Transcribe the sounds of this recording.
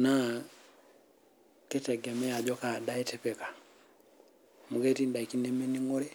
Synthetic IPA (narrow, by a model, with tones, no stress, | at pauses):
na˦ | ke˦tɛ˨ɡɛ˨mɛ˦ja˨ɟɔ˦ka˨da˦ɛtɛpɛ˨kḁ˨ | mu˨kɛ˦ti˦nda˨iki˦nɛmɛ˦niŋɔ˦ɾɛ˦